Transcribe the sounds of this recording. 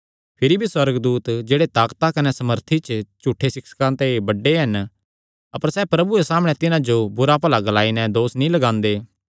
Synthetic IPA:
pʰɪɾibʱiswɐɾɡd̪uːt̪d͡ʒeːɽet̪aːkt̪akɐnɛsɐməɾt̪ʰit͡ʃt͡ʃuʈʰːesɪkskãt̪ebɐɖːeɦɐn | ɐpəɾsɛːpɾɐbuesaːmɽ̃ɛt̪ɪnãd͡ʒobʊɾapɐlaɡɐlaːinɛ̃d̪oːsnĩlɐɡãːnd̪eː

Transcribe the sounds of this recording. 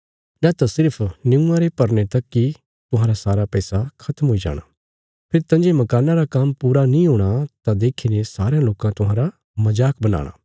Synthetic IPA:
nɛ̃t̪ãsɪɾpʰnɪ̃ũãɾepɐɾnet̪ɐkːi | t̪ʊɦãːɾasaːɾapɛːsakʰɐt̪əmɦoid͡ʒa̰ːɽ̃a̰ː | pʰɪɾt̪ɐ̃nd͡ʒemɐkaːnaɾakampuːɾanĩɦoːɽ̃at̪ad̪eːkʰinẽsaːɾeãloːkãt̪ʊɦãːɾa | mɐd͡ʒaːk̚bɐna̰ːɽ̃a̰ː

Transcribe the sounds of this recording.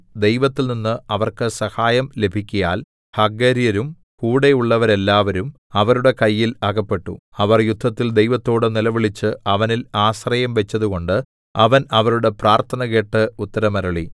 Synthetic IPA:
d̪e̞jʋɐt̪ːilninːɨɐʋɐrkɨsɐhaːjɐmle̞bʱikʲːujaːl | hɐɡːɐɾjɐɾum | kuːɽe̞juɭːɐʋɐɾe̞lːaːʋɐɾum | ɐʋɐɾuɽe̞kɐjːilɐɣɐpːe̞ʈːṵ | ɐʋɐrjud̪ʱːɐt̪ːild̪ejʋɐt̪ːo̞ːɽɨnilɐʋiɭit͡ɕːɨɐʋɐnilaːɕrɐjɐmʋe̞t͡ɕːɐðuɣo̞ɳɖɨ | ɐʋɐnɐʋɐɾuɽe̞praːrt̪ʰɐnɐɣe̞ʈːɨut̪ːɐɾɐmɐɾɐɭi

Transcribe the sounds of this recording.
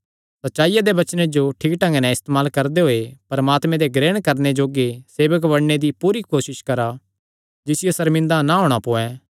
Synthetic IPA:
sɐtːʃaːijad̪ebɐt͡ʃned͡ʒoʈʰiːkʈɐ̃ŋɡenɛ̃ɪst̪emaːlkɐɾd̪eɦoːepɐɾɐmaːt̪mɛ̃d̪eɡɾeːɽ̃kɐɾned͡ʒoːɡeseːʋək̬ʋɐɽned̪ipuːɾikoːsɪʃkɐɾa | d͡ʒɪsɪjosɐɾmɪ̃nd̪anaɦoːɽ̃apoːɛ

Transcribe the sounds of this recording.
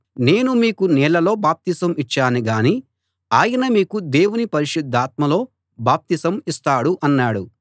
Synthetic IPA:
ne̞ːnumiːkunɛːlɐlo̞ːbaːp̚t̪isɐmit͡ʃːaːniɡaːniː | aːjɐnɐmiːkud̪eːwunipɐɾiʃid̪ʱːaːt̪̚mɐlo̞ː | baːp̚t̪isɐmist̪aːɽuʔɐnːaːɽu

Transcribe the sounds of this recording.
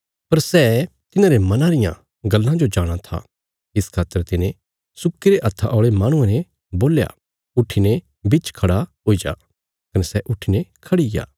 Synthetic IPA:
pɐɾsɛː | t̪ɪnãːɾemɐnãɾɪjã̰ | ɡɐlːãd͡ʒod͡ʒaːɽ̃at̪ʰa̰ | ɪskʰaːt̪ːəɾt̪ɪnẽ | sʊkːiɾeʔɐt̪ʰːaʔɔːɭemaːɽ̃ʊ̃ẽnɛ | boːlja̰ | ʊʈʰːine | bɪt͡ʃkʰɐɽaɦoːid͡ʒa̰ː | kɐnɛsɛʔʊʈʰinekʰɐɽiɡja̰ː

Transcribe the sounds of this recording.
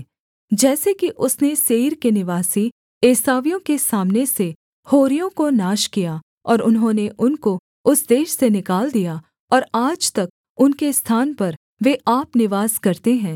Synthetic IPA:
d͡ʒɛːsekiʔʊsneʃeːɾkenɪʋaːsi | eːsaːʋijõkesaːmnese | hoːɾijõkonaːʃkija | ɔːɾʊnɦõneʔʊnko | ʊsd̪eːʃsenɪkaːld̪ija | ɔːɾaːd͡ʒt̪ɐk̚ | ʊnkest̪ʰaːnpɐɾ | ʋeʔaːpnɪʋaːskɐɾt̪eɦɛ̃ː

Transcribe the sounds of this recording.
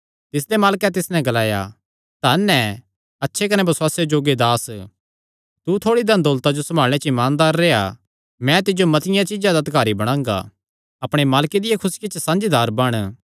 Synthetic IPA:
t̪ɪs̬d̪emaːlkɛt̪ɪsnɛ̃ɡɐlaːja̰ | t̪anːɛ̃ | ɐtːʃʰekɐnɛbɐswaːsjed͡ʒoːɡed̪aːs | t̪ut̪ʰoːɽid̪ɐnd̪oːlt̪ad͡ʒosɐmʱaːl̃et͡ʃɪmaːnd̪aːɾːeːa̰ | mɛ̃t̪ɪd͡ʒomɐt̪ɪjãt͡ʃɪd͡ʒãd̪ad̪ɪkaːɾibɐɽ̃ãːŋɡa̰ | ɐpɽ̃emaːlked̪ɪjakʰʊskɪt͡ʃsãːnd͡ʒid̪aːɾbɐɽ̃

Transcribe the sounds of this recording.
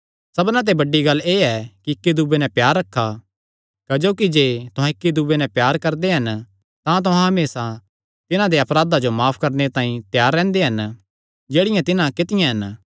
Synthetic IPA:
sɐbnãt̪̬ebɐɖːiɡɐlːeːɛkiɪkːid̪ubenɛ̃pjaːɾːɐkʰːa | kɐd͡ʒoːkid͡ʒeːt̪ʊɦãɪkːid̪ubenɛpjaːɾkɐɾd̪eɦɐn | t̪ãt̪̬ʊɦãɦɐmeːsa | t̪ɪnãd̪eɐpɾaːd̪ad͡ʒomaːpʰkɐɾnet̪ãːĩt̪jaːɾːɛ̃ːnd̪eɦɐn | d͡ʒeːɽɪjãt̪ɪnãkɪt̪ɪjãɦɐn

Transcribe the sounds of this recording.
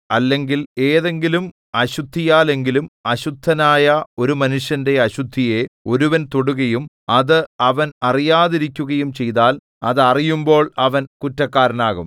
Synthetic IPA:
ɐlːe̞ŋɡile̞ːðe̞ŋɡilum | ɐɕud̪ʱːijaːle̞ŋɡilumɐɕud̪ʱːɐnaːjɐo̞ɾumɐnuʂjɐnde̞ɐɕud̪ʱːije̞o̞ɾuʋɐnt̪o̞ɽuɣɐjum | ɐðɨɐʋɐnɐrijaːðiɾikʲːuɣɐjumt͡ɕe̞jt̪aːl | ɐðɨɐrijumbo̞ːɭɐʋɐnkutːɐkːaːɾɐnaːɣum

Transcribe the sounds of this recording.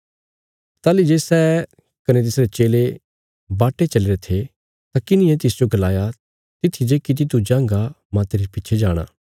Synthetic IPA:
t̪aːlid͡ʒeːsɛː | kɐnet̪̬ɪsɾet͡ʃeːle | baːʈːet͡ʃɐleɾet̪ʰe | t̪akɪnɪ̃jɛ̃t̪ɪsd͡ʒoɡɐlaːja | t̪ɪt̪ʰid͡ʒeːkɪt̪̬it̪ud͡ʒãːŋɡa | mãt̪eɾipiːt͡ʃʰed͡ʒaːɽ̃a̰ː

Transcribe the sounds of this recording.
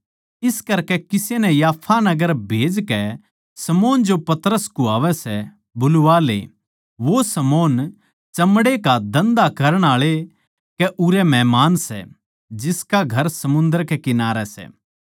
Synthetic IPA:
ɪskɐɾkɛkɪsenɛjaːpʰanɐɡəɾbʱeːd͡ʒkɛ | sɐmoːnd͡ʒopɐt̪əɾəskuaːʋɛsɛ | bʊlʊʋaːlḛ | ʋosɐmoːn | t͡ʃɐmɽekad̪ɐ̃nd̪akɐɾəɽ̃aːɭe | kɛʔʊɾɛmɛːmaːnsɛ̰ | d͡ʒɪskaɡʱɐɾsɐmʊ̃nd̪əɾkekɪnaːɾɛsɛ̰ː

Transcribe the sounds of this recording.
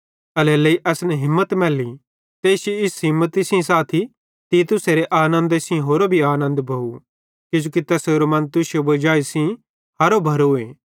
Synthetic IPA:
ɐlɛːlɐiʔɛːsnɛɦɪmːət̪mɛːli | t̪eːsoɪsɦɪ̃mːət̪isĩsaːt̪ʰi | t̪it̪ʊseɾeʔaːnə̃nd̪esĩɦoːɾobʱiaːnə̃nd̪bʱɐu | kʊd͡ʒoːkit̪ɛːseːɾomɐ̃nt̪ʊsijobɐd͡ʒaːisĩ | ɦɐɾobʱɐɾoeː

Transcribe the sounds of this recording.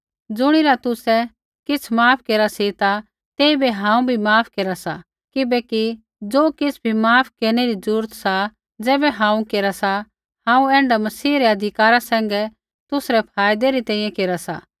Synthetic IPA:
d͡zʊɽ̃ɪɾat̪ʊsɛ | kɪt͡sʰmaːpʰkeːɾasit̪a | t̪eːibeɦãːũbʱimaːpʰkeːɾasa̰ | kɪbɛki | d͡zoːkɪt͡sʰbʱimaːpʰkeːɾñɛɾid͡zɾuuːɾət̪sa | d͡zɛːbɛɦãːũkeːɾasa | hãːũɛ̃ːɳɖamɐsiːɾɛɐd̪ʱɪkaːɾasɛ̃ːŋ̆ɡɛ | t̪ʊsɾɛpʰaːjd̪ɛɾit̪ɛ̃ːĩjɛ̃keːɾasa̰

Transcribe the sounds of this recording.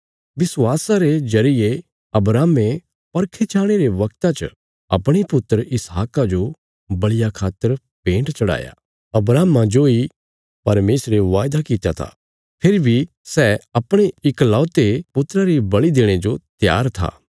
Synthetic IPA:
ʋɪswaːsaɾed͡ʒɐɾɪje | ɐbɾaːme | pɐɾkʰet͡ʃʰaːɽ̃eɾeʋɐk̚t̪ãt͡ʃ | ɐ̰pɽ̃ipʊt̪ːəɾɪsɦaːkad͡ʒo | bɐɭɪjakʰaːt̪ːəɾ | pẽːɳʈt͡ʃɐɽa̰ːja̰ | ɐbɾaːmãd͡ʒoi | pɐɾmeːsɾeʋaːjd̪akɪt̪ja̰t̪ʰa̰ | pʰeɾibʱi | sɛɐpɽ̃eɪklɔːt̪epʊt̪ːɾaɾibɐɭid̪eːɽ̃ed͡ʒot̪ja̰ːɾt̪ʰa̰ː

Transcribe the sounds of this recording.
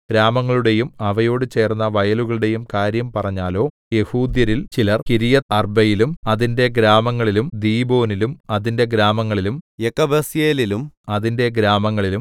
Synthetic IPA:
ɡ̥ɾaːmɐŋːɐɭuɽe̞jumɐʋɐjo̞ːɽɨt͡ɕe̞ːrnːɐʋɐjɐluɣɐɭuɽe̞jumkaːɾjɐmpɐrɐɲːaːlo̞ː | je̞huːd̪jɐɾilt͡ɕilɐrkiɾijɐɐrbɐjilumɐðinde̞ɡɾaːmɐŋːɐɭilumd̪iːbo̞ːnilumɐðinde̞ɡɾaːmɐŋːɐɭilumjekːɐbɐsjeːlilumɐðinde̞ɡɾaːmɐŋːɐɭilum

